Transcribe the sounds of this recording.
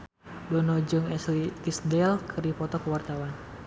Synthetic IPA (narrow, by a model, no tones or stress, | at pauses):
dɔnɔd͡ʒɔŋɛslit̪isdɛlkʰɨripɔt̪ɔkəwart̪awan